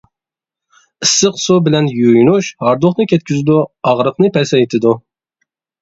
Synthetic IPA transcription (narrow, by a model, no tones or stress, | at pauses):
ɨsːəqsubɪlɛnjujnuʃhɑɾd̪ʊχnɨkʲʰɛt̪̚ʲkʲʰyzɪd̪uɑʁɾəqnɨpʰɛsɛjt̪ʰɪd̪u